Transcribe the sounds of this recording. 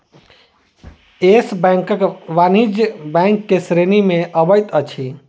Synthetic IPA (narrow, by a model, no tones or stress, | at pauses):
esbɛ̃ŋkəkʋanid͡ʒjbɛ̃ŋkːesɾenimeʔəbəjt̪ət͡ʃʰi